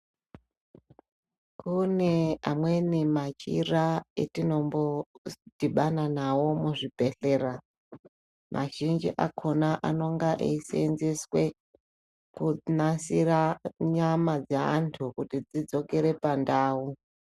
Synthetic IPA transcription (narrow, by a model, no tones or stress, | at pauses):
kunea̰mwenimat͡ʃiraḛtino̞mbo̞d̥iɓananawo̞muʐipeɬe̞ːra | mʔa̰ʒind͡ʒiʔakʰo̞naʔa̰no̞ŋɡaʔeisenzeswe̞ | kunasiraɲamad͡zaa̰ntʰukutid͡zid͡zo̞ke̞ɾe̞pandaːu